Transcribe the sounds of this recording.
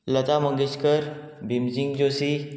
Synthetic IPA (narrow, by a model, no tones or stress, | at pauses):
lət͡saməŋɡet͡ɕkəɾ | bʱimd͡ʑiŋɡd͡ʑosi